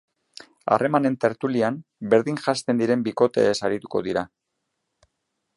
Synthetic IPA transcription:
a̰re̞mane̞nt̪e̞ɾt̪uliambe̞ɾðiŋʝast̪e̞nd̪iɾe̞mbiko̞t̪e̞̰ːsaɾit̪u̥ko̞ðiɾa

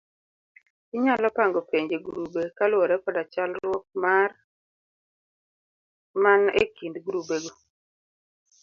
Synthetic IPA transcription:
ɪɲalɔpaŋɡopeɲd͡ʒeɡuɾubekalwɔɾɛpɔdat͡ʃalɾwɔk̚mar | manḛkindɡuɾubeɡo

